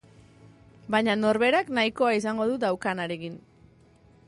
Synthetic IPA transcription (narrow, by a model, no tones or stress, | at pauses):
bajɲano̞ɾβe̞ɾaknaiko̞ais̬aŋɡo̞ðud̪awkanaɾe̞kin